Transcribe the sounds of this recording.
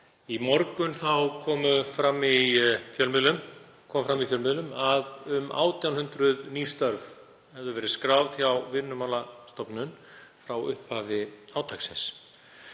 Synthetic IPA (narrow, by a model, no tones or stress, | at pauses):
imɔɾkʏnθawkʰɔːmʏfɾamːifjœlmɪlʏm | kʰɔːmfɾamifjœlmɪlʏmaðʏmʔa̰ːwt̪jawnhʏnt̪ɾʏðniːst̪œɾv | hɛvðʏvɛːɾɪskɾaːwvðθjawvɪnːʏmalast̪ɔpnʏnfɾawʏhphaːvɪaːwt̪ʰajksɛns